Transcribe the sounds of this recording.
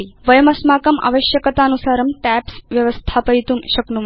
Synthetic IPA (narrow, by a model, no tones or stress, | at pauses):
iʋəjəmɐsmakɐma̰ʋəɕjəkət̪anusaːɾəmʈæpsʋjɐʋəst̪ʰapəjt̪uːmɕɐknum